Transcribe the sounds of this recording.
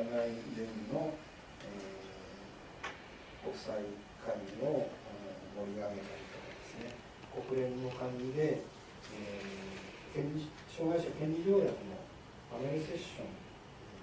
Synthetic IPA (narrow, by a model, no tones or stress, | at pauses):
naijeino̞ | e | ko̞kɯ̥sai | kʰaiio̞anomo̞ɾʲiɡaɡe̞t̪aɾʲit̪o̞kad̪e̞sɨne̞ | ko̞kɯ̟ɾẽ̞nno̞kãŋɡid̪e̞ | e | kẽɲi | ɕo̞ːɡaiɕakẽ̞ɲ̟d͡ʑiɾʲo̞ːɾakɯno̞ | ameɾʲise̞ɕːõ̞n